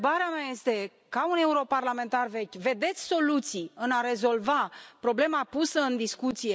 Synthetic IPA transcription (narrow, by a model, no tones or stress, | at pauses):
baɾeameaje̞st̪e̞ | kaune̞uɾo̞parlame̞nt̪arve̞kʲve̞d̪e̞t̪sʲso̞lut̪siɨnaɾe̞zo̞lvapɾo̞ble̞mapusəɨnd̪iskut̪sije